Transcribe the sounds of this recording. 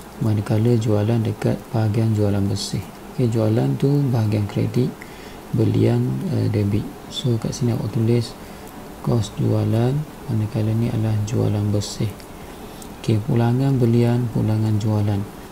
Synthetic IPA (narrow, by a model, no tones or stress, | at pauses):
manəkaləd͡ʒualandəka̰t̪̚b̥aɦaɡiand͡ʒualanbəsɪh | oked͡ʒualant̪ubaɦaɡiankɾḛt̪ik̚ | bəlḭanə̰dəbɪʔ | soka̰ʔsinia̰wʔa̰ʔt̪ulɪs | kɔsd͡ʒṵalan | manəkalənia̰dəlahd͡ʒua̰lanbəsɪh | okepṵlaŋanbəlianpṵlaŋand͡ʒualan